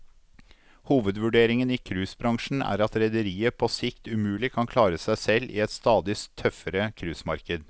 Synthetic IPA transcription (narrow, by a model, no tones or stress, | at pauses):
huːʋəd̪ʋʉɖeːɾɪŋəniːkʰɾʉːsbɾɑŋʂɳn̩æ̰ːɾɑt̪ɾɛd̪əɾiːəpʰɔsɪkt̪ʉmʉːlɪkʰɑnkʰlɑːɾəsæɪsɛlːʔḭːɛt̪st̪ɑːd̪ɪst̪ʰːœfəɾəkʰɾʉːsmɑɾkəd̪